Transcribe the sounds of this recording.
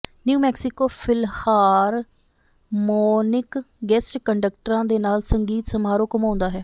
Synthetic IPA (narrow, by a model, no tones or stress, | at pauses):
njuːmɛːksɪkoːpʰɪlhaːɾ | mɔːnɪk | ɡɛsʈkəɳɖək̚ʈəɾãːd̪eːnaːlsəŋɡiːt̪səmaːɾoːkəmãːʊ̃nd̪aːɦɛː